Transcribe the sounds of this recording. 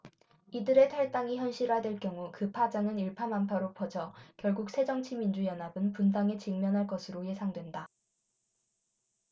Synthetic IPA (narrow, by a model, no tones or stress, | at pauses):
idɯɾe̞tʰaɭt͈aŋiçjʌnɕʰiɾɦadwe̞ɭkjʌŋukɯpʰad͡ʑaŋɯniɭpʰamampʰaɾopʰʌd͡ʑʌkjʌɭɡuk̚sʰe̞d͡ʑʌŋt͡ɕʰimind͡ʑujʌnabɯnpundaŋe̞t͡ɕiŋmjʌnɦaɭk͈ʌsʰɯɾoje̞sʰaŋdwe̞nda